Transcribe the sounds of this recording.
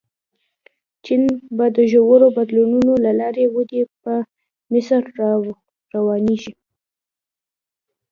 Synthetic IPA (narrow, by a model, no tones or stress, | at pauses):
t͡ʃinbɑd̪əʒowəɾobad̪lununolalɑɾewəd̪epə | mɪsɾ | ɾawɑniʃi